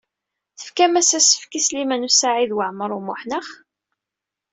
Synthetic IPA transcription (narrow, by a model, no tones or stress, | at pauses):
θə̥fkæmæsæsə̥fkislimænusaʕiðwəʕməɾˤumʊħnəχ